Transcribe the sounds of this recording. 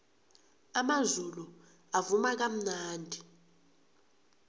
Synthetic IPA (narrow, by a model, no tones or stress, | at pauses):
amazulu | avumak̬am̩naːndʱi